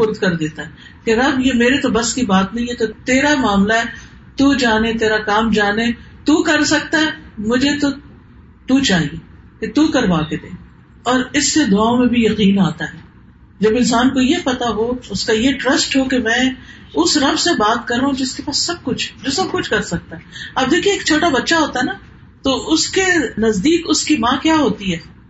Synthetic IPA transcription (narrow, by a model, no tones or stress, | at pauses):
fʊɾd̪kɐɾd̪eːt̪aɦɛː | keɾɐbjemeːɾet̪obɐskibaːt̪nɐɦĩɦɛt̪ot̪eːɾamaːmlaɦɛ | t̪uːd͡ʒaːnet̪eːɾakaːmd͡ʒaːne | t̪uːkɐɾsɐk̚t̪aɦɛmʊd͡ʒʱet̪o | t̪ut͡ʃaːɦie | ket̪uːkɐɾʋaːked̪eː | ɔːɾɪsːed̪ʊaːõmẽbʱijɐqiːnaːt̪aɦɛː | d͡ʒɐbɪ̃nsaːnkojepɐt̪aɦoʊskajeʈɾɐsʈɦokemɛ̃ː | ʊsɾɐbsebaːt̪̚kɐɾːaɦũd͡ʒɪskepaːsːɐb̚kʊt͡ʃʰd͡ʒosɐb̚kʊt͡ʃʰkɐɾsɐk̚t̪aɦɛːɐb̚d̪eːkʰieːk̚t͡ʃʰoːʈabɐtːʃaɦoːt̪aɦɛna | t̪oʔʊskenɐzd̪iːkʊskimãːkjaːɦoːt̪iɦɛː